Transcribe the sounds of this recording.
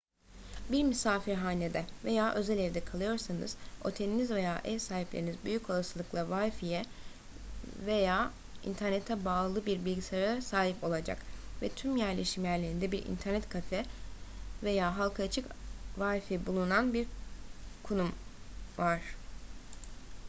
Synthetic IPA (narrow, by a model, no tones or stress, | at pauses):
biɾmysaːfiɾɦaːned̪ɛve̞jaːʔø̞zelʲeɾid̪ɛkʰalˠɯjo̞ɾsanɯ̰z̥o̞̰t̪ʰelʲinizve̞jaːʔɛsaːɦiplʲeɾinizbyjycʰo̞lˠasɯlˠɯklˠavajfijɛ | ve̞jaː | ḭnt̪ʰæɾnet̪ʰɛbaːlˠɯlˠɯbiɾbilʲɟisaɾaasaːɦipo̞lˠad͡ʒa̰kvɛt̪ʰymjæɾlʲe̞ʃimjæɾlʲe̞ɾind̪ɛbiɾʔḭnt̪ʰæɾnɛt̪kʰafɛ | ve̞jaːɦalˠkʰat͡ʃʰɯkvajfibulˠunanbiɾ | kʰunumvaɾ̥